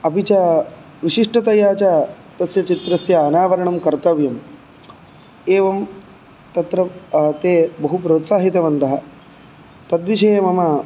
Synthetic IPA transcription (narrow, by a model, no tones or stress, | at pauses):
ɐpit͡ʃaː | ʋiʃiʂʈɐt̪ɐjaːt͡ʃaː | t̪ɐsjɐt͡ʃit̪ɾɐsjɐːnaːʋɐɾɐɳɐmkɐɾt̪ɐʋjɐm | eːʋɐm | t̪ɐt̪ɾɐt̪eːbɐɦupɾoːt̪saːɦit̪ɐʋɐnt̪ɐɦɐ̆ | t̪ɐd̪ʋiʂɐːɐmɐmɐ